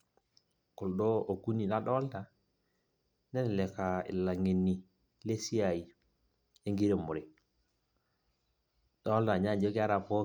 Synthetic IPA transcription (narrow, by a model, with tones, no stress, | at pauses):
ku˨lɗo˦o˨ku˦ni˨la˦ɗɔ˦lta˨ | nɛ˦n˨le˨ka˨ḭ˨la˨ŋi˨nːi˨ | le˦si˦a˨ji˨ | e˦ŋɡi˦ɾe˨mu˨ɾi˨ | dɔ˦lta˨ɲa˦˨d͡ʒo˦ki˦a˦ɾa˨po˦